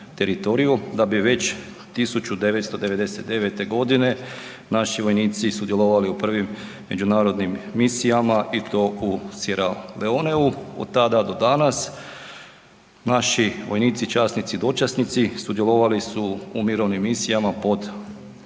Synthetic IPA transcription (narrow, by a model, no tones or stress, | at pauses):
t̪e̞ɾit̪o̞ɾijud̪abiʋe̞t͡ɕ | t̪isut͡ɕud̪e̞ʋe̞t̪st̪o̞d̪e̞ʋe̞d̪e̞set̪̚d̪e̞ʋe̞t̪e̞ɡo̞d̪ine̞ | naʃiʋo̞jniːt̪sisud̪jelˠoʋaliupr̩ʋimː | e̞d͡ʒunaːɾo̞d̪nimːisijamaʔit̪o̞usjeɾaleoneuo̞̰d̪̚t̪ad̪ad̪o̞d̪anas | naʃiʋo̞jniːt̪sit͡ʃasnit̪sid̪o̞t͡ʃasnit̪sisud̪jelˠoʋalisuːmiɾo̞ʋnimːisijamapo̞d̪